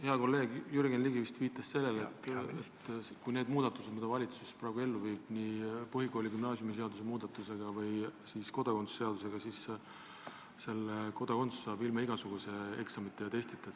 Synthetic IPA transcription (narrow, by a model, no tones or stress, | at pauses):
he̞ɑko̞lːe̞ːɡjyɾɡenliɡivist̪viːt̪ːˑɑsse̞lːe̞let̪ːˑet̪kujne̞ːd̪muːd̪̥ɑt̪ːˑuse̞d̪mid̪̥ɑvɑlʲit̪susesprɑːɡ̥ue̞lːuviːb̥nipɤɦiɡo̞ːlʲiɡymnɑːsjumis̬e̞ɑd̪us̬e̞muːd̪̥ɑt̪ːˑuse̞ɡ̥ɑvɯjsiːsko̞d̪̥ɑko̞nsu̥se̞ɑd̪us̬e̞ɡ̥ɑsis | se̞lːeko̞d̪ɑko̞nt̪su̥sːɑːbilmɑiɡɑsuɡ̥use̞e̞ksɑmit̪ːˑeɑt̪e̞st̪it̪ːˑɑ̥